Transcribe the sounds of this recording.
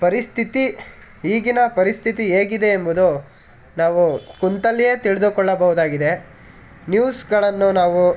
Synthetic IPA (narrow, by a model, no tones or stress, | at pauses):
pɐɾist̪ʰit̪i | ɦiːɡinɐpɐɾist̪ʰit̪ieːɡid̪e̞ːmbud̪u | naːʋukunt̪ɐlːije̞ːt̪iɭed̪ukɔɭːɐbɐɦud̪aːɡid̪e̞ | njuːsɡɐɭɐnːunaːʋu